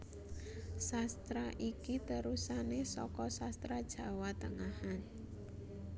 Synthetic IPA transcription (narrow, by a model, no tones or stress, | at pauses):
sast̪ɾaʔikit̪əɾusanesɔ̰kɔsast̪ɾad̥ʒ̥ä̤wat̪əŋahan